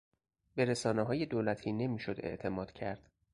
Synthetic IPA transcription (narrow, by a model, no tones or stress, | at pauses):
be̞ɾesɒːneɦɒːje̞d̪oːlæt̪ʰiːne̞miːʃo̞d̪e̞̰ʔt̪ʰe̞mɒːd̪̥cʰæɾd̪̥